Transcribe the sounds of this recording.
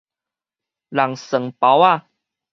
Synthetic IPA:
la˨˩ŋsə˨˩ŋpa˨˦wa˥˨

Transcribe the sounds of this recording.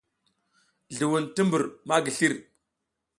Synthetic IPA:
ɮu˨wu˨nti˦mbu˨ɾma˦ɡi˨ɬi˦ɾ

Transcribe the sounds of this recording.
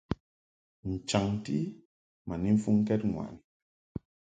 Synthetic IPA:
n̩˨t͡ʃa˨ŋti˦ | ma˨ni˦m̩˦fu˦ŋ˦kɛ˦t̚ŋwa̰˨n

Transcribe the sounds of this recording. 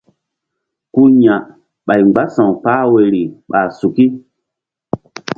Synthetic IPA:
ku˦ɲã˨ | ɓa˨jŋ͡mɡ͡ba˦sã˨wpaː˦we˨ɾi˨ɓa˨su˨ki˦

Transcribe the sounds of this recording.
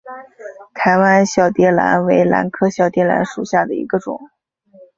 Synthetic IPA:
t̪ʰa˧˥ɪwa˥nɕjɑ˥˨˩ʊt̪jɛ˥la̰˧˥nwe˧˥ɪla̰˧˥nkʰɤ˥ɕjɑ˥˩ʊt̪jɛ˥la̰˧˥nʂu˨˩ɕja˥˩d̪ə˩ḭ˧˥ɡə˧ʈ͡ʂʊ̰˨˩˦ŋ

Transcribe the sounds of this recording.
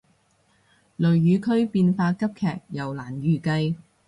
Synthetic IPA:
lɵ˨ɥjyː˨˧kʰɵ˥ɥpiː˧nfaː˧kɐ˥p̚kʰɛː˨k̚jɐ˨˩wlaː˨˩njyː˨˩kɐ˧j

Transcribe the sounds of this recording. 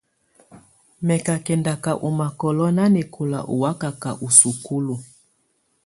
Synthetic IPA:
mɛ˨ka˨kɛ˨nda˨ka˨ʔu˨ma˨kɔ˨lɔ˦na˦ni˨kʰu˨la̰˨ʔṵ˨wa˦ka˨ka˨ʔu˨su˨ku˦lu˨

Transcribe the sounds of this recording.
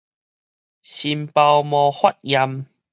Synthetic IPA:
ɕi˧mpa˧wmɔː˧hwɐ˦t̚jɐ˧m

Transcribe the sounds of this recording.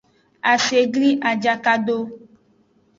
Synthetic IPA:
a˨se˨ɡli˦ʔa˨d͡ʒa˨ka˦ɖo˦

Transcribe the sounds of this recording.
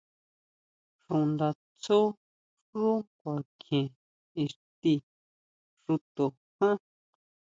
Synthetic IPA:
ʂũ˨nd̪a˧ | t͡su˦ | ʐu˦kʷa˨kʰẽ˨ | i˧ʂt̪i˧ | ʂu˧t̪o˨ | hã˦

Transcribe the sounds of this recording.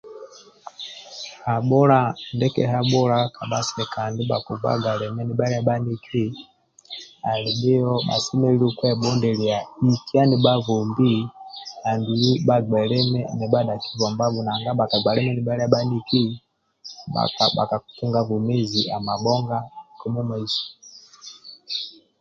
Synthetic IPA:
ha˨ɓɔ˦ɾa˦ndɛ˦kɛ̰˨ɦa˦ɓɔ˦ɾa˦ka˨ɓa˦sɛ˨ka˨ndi˦ɓa̰˨ku˨va̰˦ɡa˨ɾɛ˨mɛ˦ni˨ɓa˦ɾi˦a˦ɓa˦ni˦kʰi˦ | a˨li˨bi˦ɔ˦ɓa̰˨si˦mɛ˦i˦li˦kwɛ˦ɓɔ˦ndɛ˨li˨a˨i˨ki˦a˦ni˨ɓa˦vɔ˨mbi˦a˨nbi˨li˦ba˨ɡ͡bɛ˨lɛ˦mɛ˦nɛ˨ɓa˦ɗa˨ki̥˦vɔ˨mba˦βu˨na˨ŋɡa˦ɓa˨ka˨ɡ͡ba˨ɾɛ˦mɛ˦ni˨ɓa˦ɾa˦ɓa˦ni˦ki˦ | ɓa̰˨ka˨ɓa̰˨ka˨u˨tu˦ŋɡa˦vu˨mi˦zi˨ʔa˨ma˨ɓɔ˦ŋɡa˦kɔ˨mu˦mɛ˨zi̥˨

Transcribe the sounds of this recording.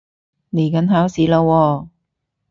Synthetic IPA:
ne˨˩jkɐ˨˥nɦaː˨˥wsiː˨˥lo˧wɔː˧

